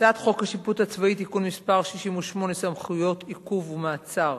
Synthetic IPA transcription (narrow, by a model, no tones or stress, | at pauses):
daːt̪χo̞khaʃiput̪hat͡svait̪̬ikunmispaʁʃiʃimuʃmo̞nesamχujo̞t̪ʰikuvumaːt͡saʁ